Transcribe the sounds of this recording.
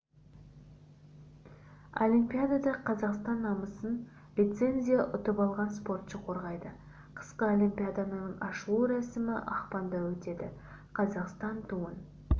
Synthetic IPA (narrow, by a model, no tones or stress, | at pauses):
o̰lʲimpʲijad̪ad̪ɑqʰɑzɑqst̪ɑnːɑməsən | lʲit̪se̞nʲzʲijaʔʊt̪əpɑlˠʁɑnspo̞rt̪ʃəqʰo̞ɾʁɑjd̪ə | qʰə̥sqəolʲimpʲijad̪anənəɴɑʃəlˠuɾæsɪmɪʔɑ̰χpɑnd̪ɑwɵt̪e̞d̪ɪ | qʰɑzɑqst̪ɑnt̪ʰuən